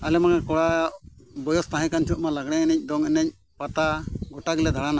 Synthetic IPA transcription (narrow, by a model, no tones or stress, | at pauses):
alɛmaŋakɔɽa | bɔjɔst̪aɦɛ̃kant͡ʃʰɔʔmalaɡɽɛŋɛnɛc̚ˀd̪ɔŋɛnɛc̚ | pat̪aɡɔʈaɡɛlɛd̪ʱaɽana